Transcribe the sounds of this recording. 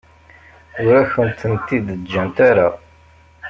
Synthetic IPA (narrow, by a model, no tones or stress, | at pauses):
ʊɾæçənt̪ənt̪ːid̪əd͡ʒːænt̪aɾa